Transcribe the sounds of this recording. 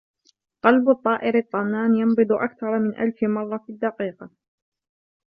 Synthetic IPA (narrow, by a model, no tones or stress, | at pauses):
qɑlbʊt̪ˤːɑːʔɪɾɑt̪ˤːɑnːaːnjɑmbɨd̪ˤʊʔa̰kθɑɾˤɑmɪnʔa̰lfmɑrˤːɑfid̪ːɑqiːqɑ